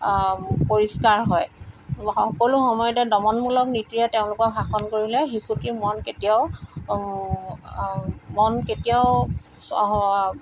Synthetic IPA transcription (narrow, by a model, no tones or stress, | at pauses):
poɹiskaɹɦɔjxɔkoluxɔmɔjɔtɛdɔmɔnmulɔknitɹijateʊ̃lʊkɔxʰakʰɔnkoɹilɛxikutimɔnketijaʊ | mɔnketijaʊ | s